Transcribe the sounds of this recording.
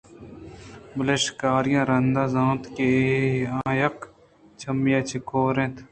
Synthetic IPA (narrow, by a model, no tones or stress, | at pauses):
bɐlɐʃkaːɾijãːɾɐnd̪aːzãːt̪keãːjɐk | t͡ʃʰɐmijãːt͡ʃʰikoːɾẽt̪ʰ